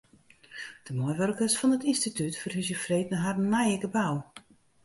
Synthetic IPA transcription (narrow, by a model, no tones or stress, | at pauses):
d̥əmɔjʋørkəsfɔnətinstitytfərhysjəfreːtnəɦarnajɪɡəbaw